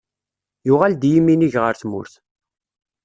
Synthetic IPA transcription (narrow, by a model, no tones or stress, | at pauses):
jʊʁald̪jimːiniʝʁəɾθmʊ̰ɾθ